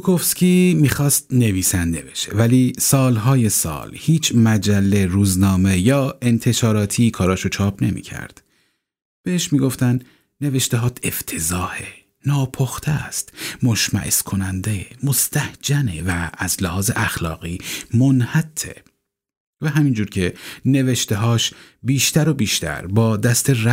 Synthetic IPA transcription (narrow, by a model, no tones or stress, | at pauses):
ukʰofskʲiːmiːxɒːst̪̚ne̞viːsænd̪ebe̞ʃe̞̰væliːsɒːlɦɒːje̞sɒ̰ːlhiːt͡ʃʰmæd͡ʒælːe̞ɾuːznɒːme̞jɒːe̞nt̪ʰe̞ʃɒːɾɒːt̪ʰiːkʰɒːɾɒːʃot͡ʃʰɒːp̚ʰne̞mḭːcʰæ̰ɾd̪̥ | b̥e̞heʃmiːɡo̞ft̪ænd̪ | ne̞ve̞ʃt̪eɦɒːt̪ʰeft̪ʰe̞zɒːhe | nɒːpʰoxt̪ʰæst̪mo̞ʃmæ̰ʔḛskʰo̞nænd̪emost̪ʰæhd͡ʒænevæːzlæhɒːzeʔæxlɒ̰ːɣiːmonhæt̪ʰːḛ | væɦæmiːnd͡ʒuːɾcʰe̞ne̞veʃt̪e̞ɦɒːʃ | biːʃt̪æɾo̞biːʃt̪ʰæ̰ɾbɒːd̪æst̪e̞r